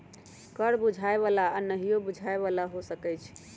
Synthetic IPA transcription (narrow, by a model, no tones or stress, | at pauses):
kəɾbud͡ʒʱaeβalanəɦijobud͡ʒʱaeβalaɦosəkɛt͡ʃʰ